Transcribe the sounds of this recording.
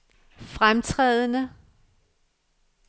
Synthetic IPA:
fʁamt͡sʰʁɛð̞ˠənə

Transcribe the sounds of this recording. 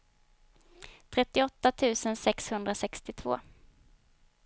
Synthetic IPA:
t̪ʰɾɛt̪ːɪɔt̪ːat̪ʰʉ̟ːsənsɛkshɵnd̪ɾasɛkst̪ɪt̪ʰv̥o̰ː

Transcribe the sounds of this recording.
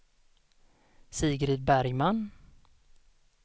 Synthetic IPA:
siːɡɾɪt̪̚bæɾjman

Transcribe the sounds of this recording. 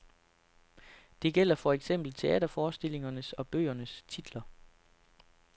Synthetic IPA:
d̥e̝ɡ̥el̰ɐfɒ̽eɡ̥sem̰b̥l̩t͡sʰe̝ɛ̰ːd̥ɐfɒːsd̥e̝l̰e̝ŋɐnəsɒ̽b̥ø̰ːɐnəst͡sʰid̥lɐ

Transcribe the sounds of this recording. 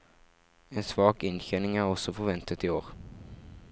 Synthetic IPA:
ɛnsvɑːkɪnɕçɛnɪŋæɾɔsɔfœɾvɛnt̪ət̪ɪoːɾ

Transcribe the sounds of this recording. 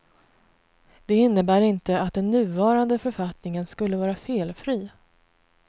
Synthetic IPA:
d̪̥ɛɪnːəbæːɾɪnt̪əat̪̚d̪ɛnːʉ̟ːvɑːɾand̪əfœɾfat̪nɪŋənskɵlːəvɑːɾafeːlfɾiː

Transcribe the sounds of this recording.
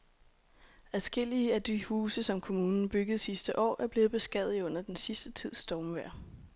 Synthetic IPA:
æðˠsɡ̥e̝l̰iəæd̥yhuːsəsɒ̽mkʰo̝muːnn̩b̥yɡ̥əð̩ˠsisd̥əʔɒ̰ːʔæɐb̥le̝ːð̩ˠb̥e̝sɡ̥ɛð̰̩ˠɔ̽n̰ɐd̥ensisd̥ət͡sʰið̞̰ˠsd̥ɒmʋæɐ̰

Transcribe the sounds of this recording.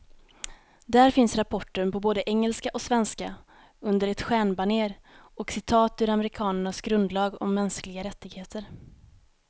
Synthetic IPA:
d̪æɾfɪnsɾapʰɔʈːəɳpɔboːd̪əʔɛŋːəlskaʔɔsvɛnska | ɵnd̪əɾɛt̪ɧæːɳbaɳeːɾɔksɪt̪ʰɑːt̪ɵɾamɛɾɪkʰɑːnəɳasɡɾɵnd̪lɑːɡɔ̰mːɛnsklɪɡaɾɛt̪ːɪɡheːt̪ʰəɾ

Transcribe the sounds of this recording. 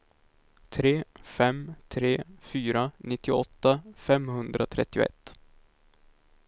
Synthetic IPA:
t̪ʰɾeːfɛmt̪ʰɾeːfyːɾanɪt̪ːɪɔt̪ːafɛmhɵnd̪ɾat̪ʰɾɛ̰t̪ːɪʊ̰ɛ̰t̪ː

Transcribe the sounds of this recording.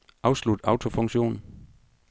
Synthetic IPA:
ʔɑ̈ʊslud̥ɑ̈ʊt͡sʰo̝fɔ̽ŋɕo̝̰ːn̩

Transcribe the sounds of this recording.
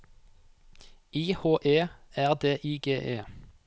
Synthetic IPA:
iːhoːʔeːæːʁd̪eːʔiːɡeːʔeː

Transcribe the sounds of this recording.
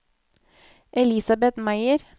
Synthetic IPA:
ʔɛlɪsɑbɛt̪mæɪəɾ

